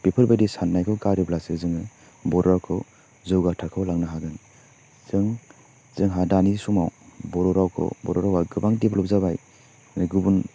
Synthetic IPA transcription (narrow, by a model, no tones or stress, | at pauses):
b̥ipʰɯɾbajdisanːajkʰɔwɡaɾiblasɯzɯŋɯ | bɔɾɔɾawkʰɔ | zɯwɡatʰakʰɯwlaŋnaɦaɡɯn | z̥ɯŋ | z̥ɯŋɦadanisumawbɔɾɔɾawkʰɔ̰bɔ̰ɾɔɾawaɡɯbaŋdeblɔp̚zabaj | ɡubun